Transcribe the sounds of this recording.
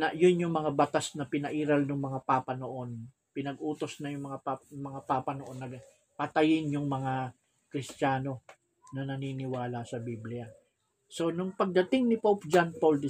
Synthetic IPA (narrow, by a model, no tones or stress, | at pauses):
nɐjʊnjʊŋmɐŋabɐt̪asnɐpɪnɐʔiːɾɐlnʊŋmɐŋapapɐnoʔo̞n | pɪnɐɡʔuːt̪o̞snɐjʊŋmɐŋamɐŋapapɐnoʔo̞nːɐɡ | pɐt̪ɐjɪnjʊŋmɐŋa | kɾɪst͡ʃaːno̞ | nɐnɐninɪwaːlɐsɐbiblɪja | so̞nʊŋpɐɡ̚d̪ɐt̪ɪŋnɪpowpd͡ʒanpold̪